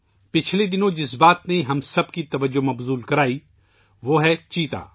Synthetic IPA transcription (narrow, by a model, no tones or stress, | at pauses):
pɪt͡ʃʰled̪ɪnõd͡ʒɪsbaːt̪neɦɐmsɐbkit̪ɐʋəd͡ʒomɐbzuːlkɐɾaːi | ʋoːɦɛt͡ʃiːt̪a̰ː